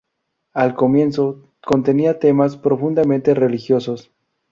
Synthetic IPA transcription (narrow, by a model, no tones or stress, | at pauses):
alko̞mje̞nso̞ | ko̞nt̪e̞niat̪e̞maspɾo̞fund̪amẽnt̪e̞re̞lixjo̞so̞s